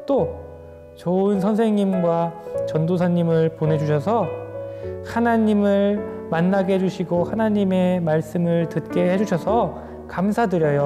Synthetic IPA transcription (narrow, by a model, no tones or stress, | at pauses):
t͈o | t͡ɕʌɯnsʰʌnsʰe̞ŋɲimɡwat͡ɕʌndosʰaɲːimɯɭponɦe̞d͡ʑuɕʰʌsʰʌ | hanaɲimɯɭmanːaɡeɦed͡ʑuɕʰiɡohanaɲime̞maɭs͈ɯmɯɭtɯt̚k͈e̞ɦhe̞d͡ʑuɕʰʌsʰʌ | kamsʰadɯɾjʌjo